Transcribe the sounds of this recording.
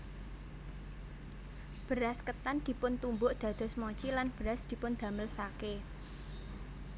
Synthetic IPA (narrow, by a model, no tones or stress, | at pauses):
b̥əɾaskət̪and̪̥i̤pʊnt̪umbʊʔd̪̥ä̤d̪̥ɔ̤smɔt͡ʃilanb̥əɾasd̪̥i̤pʊnd̪̥ä̤məlsake